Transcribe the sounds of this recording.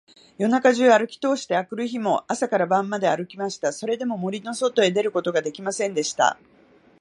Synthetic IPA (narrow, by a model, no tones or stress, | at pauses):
jo̞nakaʑɨːaɾɯ̟kʲi̥t̪o̞ːɕi̥t̪e̞akɯ̟ɾɯ̟çimo̞asakaɾabãmːad̪e̞aɾɯ̟kʲimaɕi̥t̪aso̞ɾe̞d̪e̞mo̞mo̞ɾʲino̞so̞t̪o̞e̞d̪e̞ɾɯ̟ko̞t̪o̞ɡad̪e̞kʲimasẽ̞nd̪e̞ɕi̥t̪a̰